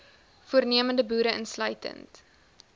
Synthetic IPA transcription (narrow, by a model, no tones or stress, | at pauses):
fuərniəməndəbuːɾəənslœɥtə̰nt